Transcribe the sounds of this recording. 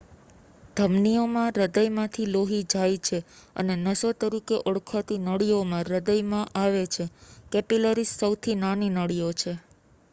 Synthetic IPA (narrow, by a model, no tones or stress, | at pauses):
d̪ʱəmnijomãɾəd̪əjmãt̪ʰiloɦid͡ʒajt͡ʃʰeə̰nenəsot̪əɾikeʔoɽkʰat̪inəɭijomãɾəd̪əjmãʔaʋet͡ʃʰekɛpiləɾisːəwt̪ʰinaninəɽijot͡ʃʰe